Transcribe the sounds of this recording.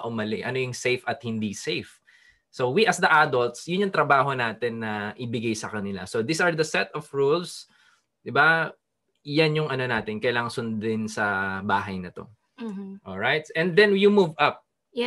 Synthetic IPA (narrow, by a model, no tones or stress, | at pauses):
ʔʊmɐlɪʔɐnojʊŋsejfɐt̪̚hɪnd̪isejf | sowiʔɐsd̪ɐʔad̪olt̪sjʊnjʊŋt̪ɾɐbaːɦo̞naːt̪ɪnːɐʔɪbɪɡajsɐkɐnɪla̰sod̪isɐɹd̪ɐsɛt̪ɔfɹuls | d̪ɪba | janjʊŋɐno̞naːt̪ɪnkɐjlaːŋɐŋsʊnd̪ɪnsɐbaːɦɐjnɐt̪o̞̰ | ʔoɹajt̪̚ɛ̃nd̪ɛnjumuvɐp̚